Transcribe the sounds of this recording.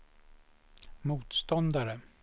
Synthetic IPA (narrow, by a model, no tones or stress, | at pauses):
muːt̪st̪ɔnd̪aɾə